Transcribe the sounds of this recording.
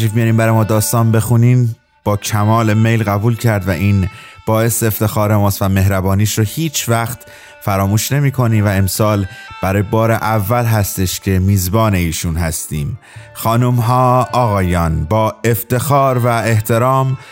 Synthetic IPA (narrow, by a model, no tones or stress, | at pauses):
ifmijɒːɾiːmbæɾɒːjmɒːd̪ɒːst̪ɒːnbe̞xuniːm | b̥ɒːcʰæmɒːle̞me̞jlɣæbuːlcʰæɾd̪væʔiːn | b̥ɒːe̞seːft̪e̞xɒːɾemɒːst̪væme̞ɦɾæbɒːniːʃɾohiːt͡ʃʰvæxt̪ | fæɾɒːmuːʃne̞miːkʰo̞niːmvæe̞msɒːlb̥æɾɒːjebɒːɾe̞ʔævːælɦæst̪e̞ʃcʰe̞miːzbɒːne̞iːʃunɦæst̪iːm | xɒːnumɦɒːɒːɣɒːjɒːnbɒːe̞ft̪e̞xɒːɾvæe̞ht̪ʰe̞ɾɒːm